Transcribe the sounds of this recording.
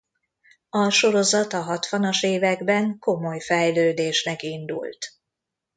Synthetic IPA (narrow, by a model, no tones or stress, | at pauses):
ɒʃo̞ɾo̞zɒt̪ɒɦɒt̪ʋɒnɒʃeːvɛɡbɛŋko̞mo̞jfɛjløːd̪eːʃnɛkind̪ṵlt̪